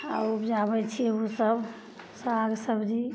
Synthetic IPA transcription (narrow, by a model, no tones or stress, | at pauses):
a̰upd͡ʒabɛt͡ʃʰijɛosəb | saɡsəbd͡ʒi